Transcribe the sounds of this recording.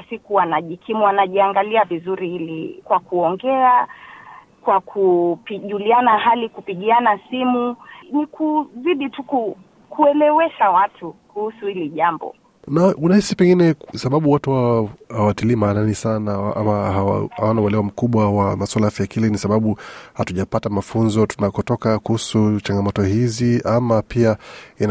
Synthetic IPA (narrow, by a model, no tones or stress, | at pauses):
sikuwanaʄikʰimuanaʄiaŋɡaliavizuɾihilikwakuɔŋɡɛa | kwakʰupiʄulianaɦalikupiɠianasimunikʰuziɗituku | kuɛlɛwɛʃawatʰukuhusuhiliʄambɔ̰ | naunahisipɛŋɡinɛsaɓaɓuwatuhahawatiliːmaːnanisanaaʔa̰maaa̰hawanauwɛlɛwam̩kuɓwawamaswalaafjajakilɛnisaɓaɓuhatuʄapatamafunzɔtunakɔtɔkakuhusut͡ʃaŋɡamɔtɔhiziamapiain